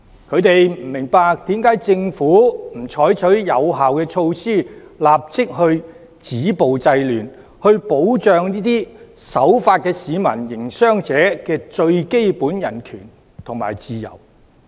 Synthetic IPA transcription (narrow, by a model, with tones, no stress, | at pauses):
kʰɵ˨˧ɥt̪e˨jm̩˨˩mɪ˨˩ŋpaː˧k̚t̪iː˨˥mkaː˨˥jt͡sɪ˧ŋfuː˨˥m̩˨˩t͡ʃʰɔː˨˥jt͡ʃʰɵ˨˥ɥjɐ˨˧wɦaː˨wkɛː˧t͡ʃʰo˧wsiː˥˩laː˨p̚t͡sɪ˥k̚ɦɵ˧ɥ | t͡siː˨˥po˨wt͡sɐ˧jlyː˨˩n | hɵ˧ɥpo˨˥wt͡ʃœː˨˧ŋniː˥t̪iː˥sɐ˨˥wfaː˧t̚kɛː˧siː˨˧mɐ̰˨˩njɪ˨˩ŋsœː˥ŋt͡sɛː˨˥kɛː˧t͡ʃɵ˧ɥke˥jpuː˨˥njɐ˨˩nkʰyː˨˩n | t̪ʰʊ˨˩ŋma̰ː˨˩jt͡siː˧jɐ̰˨˩w